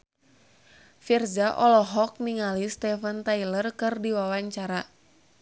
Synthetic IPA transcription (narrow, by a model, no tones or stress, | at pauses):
firzaʔɔlɔɦɔk̚niŋalist̪ɛfənt̪ailərkɨrdiwawaɲt͡ʃaɾa